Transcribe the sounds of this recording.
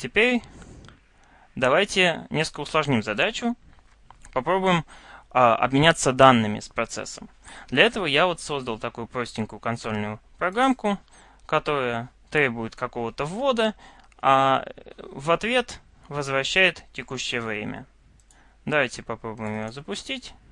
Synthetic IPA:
tʲɪpʲeɾʲ | d̪ɐvajtʲɪnʲeskkəʊslˠɐʐnʲimzɐd̪at͡ɕʊ | pɐpɾo̞bʊjɪmaɐ̰bmʲɪnʲat̪səd̪anːɨmʲɪ̰spɾɐt̪sɛ̰sːəmd̪lʲɐɛt̪əvəjavo̞t̪so̞zd̪əlˠt̪ɐkujʊpɾo̞sʲt̪ʲɪnʲkʊjʊkɐnt̪so̞lʲnʊjʊpɾɐɡɾamkʊ | kɐt̪o̞ɾəjət̪ɾʲe̞bʊjɪt̪kɐko̞vət̪əvo̞d̪ə | a | vɐt̪vʲe̞t̪ | vəzvɾɐɕːæjɪt̪tʲːɪkuɕːɪjəvɾʲḛmʲə̰ | d̪ɐvajtʲɪpɐpɾo̞bʊjɪmjɪjozəpʊsʲtʲitʲ

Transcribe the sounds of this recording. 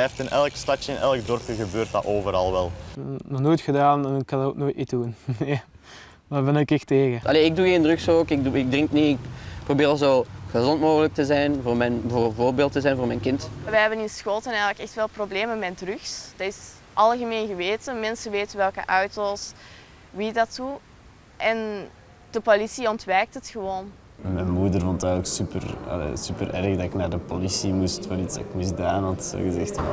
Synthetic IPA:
ɛftɪnʔɛlˠkstɑtjəɪnʔɛlˠəɡdɔrpjəɣəbøːrt̚dɑ̰ʔoːvəɾɑ̰lˠʋɛ̰lˠnɔxnoːjtxədaːnɛnɪkːɑnok̚noːjtitdunja | ʋbənkɪxteːɣəʔɑleːɪɡ̚duɣeːndrʏxsoːkɪk̚duɪɡ̚drɪŋkniɪkprobɪːrzoːɣəzɔntmoːɣələk̚təzɛjnvoːrmɛjnvoːrvoːrbeːlˠtəzɛjnvoːrmɛjnkɪntʋɛɦɛbənɪnsxoːlˠtənɛjɣələkɛxtʋeːlˠprobleːmənmɛdrʏxsd̥ɑɪs | ʔɑlˠɣəmeːnɣəʋeːtənmɛnsənʋeːtənʋɛlˠkə̰ʔœɥtos | ʋidɑtu | ʔɛn | d̥əpolisiɔntʋɛːk̚tɦətxəʋoːn | mɛnmuːdərvɔntɛɣləksypə̰rɑ̰lḛːsypəɾʔɛ̰ɾəɣdɑɪknaːrdəpolisimustfaɾitzdɑɪkmɪzdaːnɦɑtso̰ɣəzɛxt

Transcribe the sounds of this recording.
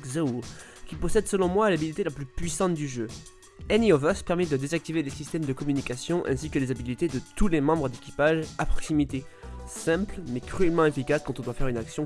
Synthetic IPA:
zauʁ | kʲipɔsɛd̪səlɔ̃mwaːlabilit̪elaplypɥisɑ̃t̪d̪yʒø | ɛniɔvɛspɛʁmɛd̪əd̪ezak̚t̪ivelesist̪ɛmd̪əkɔmynikʲasjɔ̃ʔɛ̰̃sikəlezabilit̪ed̪ət̪ulemɑ̃bʁəd̪ekʲi̥paʒapχɔksimit̪esɛ̃plmɛkχyɛlmɑ̃efikaskɑ̃t̪ɔ̃d̪wafɛʁynaksjɔ̃

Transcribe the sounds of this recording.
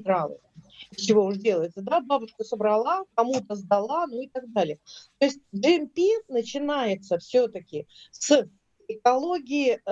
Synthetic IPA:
d̪ɾalˠɨ̰ | ɪft͡ɕɪvo̞ʊʂdʲe̞lˠəjɪt̪səd̪ababʊʂkəsəbɾɐlˠakɐmut̪əzd̪ɐlˠanuɪt̪aɡ̚d̪alʲɪjət̪oɪsʲt̚ʲʐɨɪmpʲinət͡ɕɪnajɪt̪səfsʲɵt̪əkʲɪs | ɪkɐlˠo̞ɡʲɪɪ

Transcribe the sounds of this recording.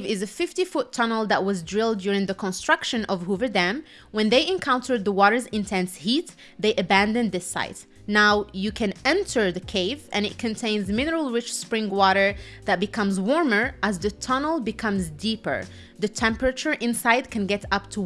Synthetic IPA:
vɪzɨfɪftifʊtʰːʌnl̩ˠðəʔ̚wʌzdɹɪlˠdjʊɹɪ̃ŋðɨkʰə̃nstɹ̥ʌkʃɨ̃nʔʌv̥ɦuvə˞dæ̃m | wɨ̃nðeɪʔɨ̃nkʰãʊ̃ntʰə˞ðəwɔɾə˞zɪ̃ntʰɛ̃nshit̪ | ðeɪʔɨbæ̃ndɨ̃nðɪsa̰ɪt | naʊjɨkʰɨ̃nɛ̃ntʰə˞ðɨkʰeɪvɨ̰̃ñɨt̚kʰɨ̃ntʰẽɪ̃nzmɪnə˞l̩ˠɹɪt͡ʃspɹɪ̃ŋwɔɾə˞ðɨt̚b̥ɨkʰʌ̃mzwɔɹmə˞ʔəzðɨtʰʌnl̩ˠbɨkʰʌ̃mzdipə̰˞ | ðɨtʰɛ̃mpəɹɨt͡ʃə˞ʔɪ̃nsaɪd̚kʰɨ̃nɡɛɾʌp̚tʰə

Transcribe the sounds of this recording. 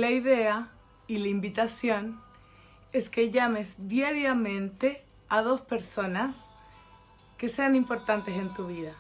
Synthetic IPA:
laiðe̞a | ilaimbit̪asjo̞n | e̞ske̞ʝame̞zd̪jaɾjamẽ̞nt̪e̞ | að̞o̞spe̞ɾso̞nas | ke̞se̞animpo̞ɾt̪ant̪e̞se̞nt̪uβiða

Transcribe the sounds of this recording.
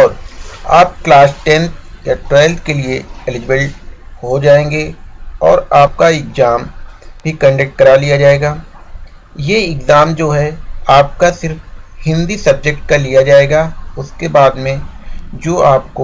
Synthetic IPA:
ɔːɾaːp̚klaːsʈɛ̃nt̪jaʈɾeːlt̪kelieelɪd͡ʒɪbəɭʈɦod͡ʒaːẽːŋɡeɔːɾaːp̚kaɪkzaːmbʱikɐ̃ɳɖək̚ʈ̚kɐɾalijad͡ʒaːeːɡaː | jeɪkzaːmd͡ʒoːɦɛaːp̚kasɪɾfhɪ̃nd̪isɐb̚d͡ʒek̚ʈ̚kalijad͡ʒaːeːɡaʊskebaːd̪mẽd͡ʒoːaːp̚ko

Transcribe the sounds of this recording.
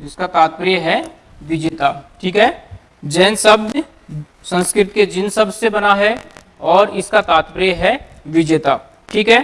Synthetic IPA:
ɪskat̪aːt̪̚pɾijɦɛ | ʋɪd͡ʒeːt̪aːʈʰiːkɦɛ | d͡ʒɛːnsəbd̪ | sə̃nskɾɪt̪ked͡ʒɪnsɐbsebɐnaɦɛ | ɔːɾɪskat̪aːt̪pɾijɦɛ | ʋɪd͡ʒeːt̪aː | ʈʰiːkɦɛ

